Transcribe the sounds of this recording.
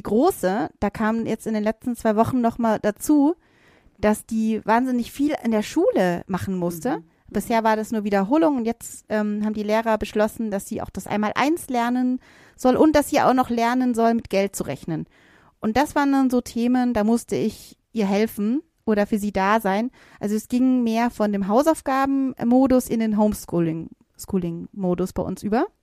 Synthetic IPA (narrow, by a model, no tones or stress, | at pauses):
diːɡ̥ʁoːsəd̥aːkʰaːmjɛt͡stɪndeːnlɛt͡stn̩t͡sv̥aɪvɔχn̩nɔχmaːld̥at͡suː | d̥asd̥iːvaːnzɪnɪçfiːlɪ̰ndeːɐʃuːləmaχn̩mʊstə | b̥ɪsheːɐvaːɐdasnuːɐviːdɐɦoːlʊŋʊntjɛt͡stʔɛːmɦaːbm̩diːleːʁɐbəʃlɔsn̩dasz̥iːʔa̰ʊxd̥asʔa̰ɪnmaːlʔa̰ɪnslɛɐnən | z̥ɔlʔʊnt̚d̥asz̥iːa̰ʊxnɔχlɛɐnənzɔlmɪtɡ̥ɛlt̚t͡suʁɛ̰çnən | ʔʊnt̚d̥asv̥aːʁəndʊnzoːtʰeːməndaːmʊstəɪçʔiːɐɦɛlfn̩ | ʔoːɾɐfyːɐziːdaːzaɪn | ʔalzoɛsɡ̥ɪŋmeːɐfɔndeːmɦaʊsaʊfɡ̥aːbm̩moːdʊsʔɪndeːnɦoʊmskulɪ | skuːlɪŋmoːdʊsb̥aɪʔʊ̰nsʔyːbɐ